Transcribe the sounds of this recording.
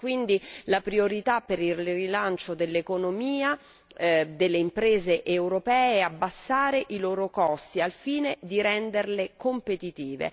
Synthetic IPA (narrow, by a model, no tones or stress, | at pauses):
kwind̪ilapɾioɾit̪apːeɾilːrilant͡ʃod̪elːekonomiːa | d̪elːeimpɾeːzeʔewɾopɛːɛabːasːaːɾeʔiloːɾokɔst̪ialfiːned̪iɾɛnd̪erlekompet̪it̪iːvḛ